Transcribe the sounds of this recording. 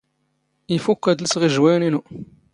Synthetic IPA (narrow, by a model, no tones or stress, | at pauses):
ifukːæd̪ləsʁiʒwæjninu